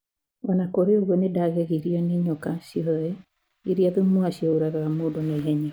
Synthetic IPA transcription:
ɔnakoɾeoɣwɔnedaɣeɣiɾiɔneɲɔkasiɔɛ | iɾiaðumoaɕioɾaɣaɣamoːdoneɣɛɲɛ

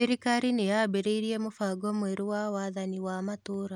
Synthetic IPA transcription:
iɾikaɾinejabeɾeiɾiemofaːɡɔmweɾowawaðaniwamatoɾa

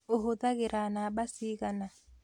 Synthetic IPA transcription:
ʊɦʊtak̬ɛɾanaɓasikana

